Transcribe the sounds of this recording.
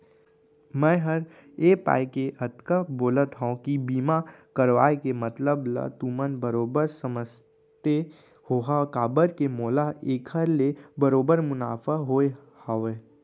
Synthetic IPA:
mɛ̃ːɦəɾ | eːpa̰ːikeət̪kaboːlət̪ɦãkibiːmakəɾʋa̰ːekemət̪ləbla̰t̪umənbəɾoːbəɾsəməs | t̪e | hoːɦakaːbəɾkemɔːlaeːkʰəɾlebəɾoːbəɾmʊna̰ːfaɦoːe | haʋeː

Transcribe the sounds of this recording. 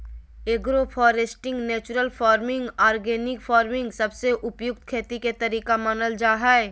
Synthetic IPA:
eɡɾopʰɔːɾesʈɪ̃ŋɡneːt͡ʃʊɾəlpʰɔːɾmɪ̃ŋɡɔːɾɡeːnɪkfʰɔːɾmɪ̃ŋɡsɐbseʔʊpjʊk̚t̪̚kʰeːt̪iket̪ɐɾiːkamɐnəld͡ʒaːɦɛɛ

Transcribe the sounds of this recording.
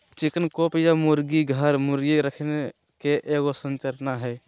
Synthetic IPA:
t͡ʃikənkopjamuɾɡiɡʱəɾmuɾɡiɾəkʰne | keʔeːɡosənt͡ʃəɾnaɦɛː

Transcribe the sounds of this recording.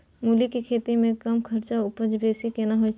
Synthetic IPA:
muːlikikʰeːt̪imẽkɐmkʰɐɾt͡ʃaʊpəd͡ʒbeːsikenaɦoi

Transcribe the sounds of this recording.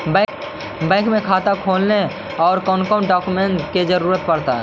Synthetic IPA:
b | bɛ̃ːkmẽkʰaːt̪akʰoːlne | ɔːɾkɔːnkəʊɳɖaːkumẽɳʈked͡ʒəɾuːɾət̪̚pəɾt̪aɦɛ̰ː

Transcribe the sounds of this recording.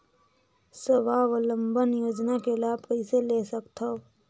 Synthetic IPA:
səbaːʋələ̃mbənjoːd͡ʒnakelaːbkəiselesəkt̪ʰao

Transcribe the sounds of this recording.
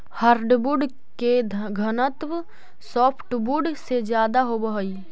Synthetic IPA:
həɾɖbuɖ | keɡʱənət̪ʋ | sɔːpʰʈbuɖsed͡ʒjaːd̪aɦobəɦəi

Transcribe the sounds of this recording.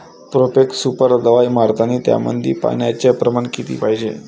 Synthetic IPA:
pɾopeksupəɾd̪əʋajmaɾt̪ʰaniːt̪ja̰mə̰nd̪ʱḭːpa̰ɳjat͡ɕeəpɾəmaɳkit̪ḭːpaɦid͡ʑe

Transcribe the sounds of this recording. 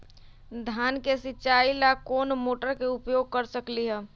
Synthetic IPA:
d̪ʱaːnkesɪt͡ʃaːilakoːnmoːʈəɾkeʊpjoːɡ̚kəɾsəkliɦɛː

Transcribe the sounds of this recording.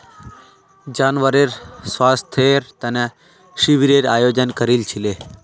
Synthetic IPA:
d͡ʒaːnʋəɾeɾsʋast̪ʰeɾt̪əne | ʃiʋiɾeɾaːjod͡ʒənkəɾilt͡ʃʰile

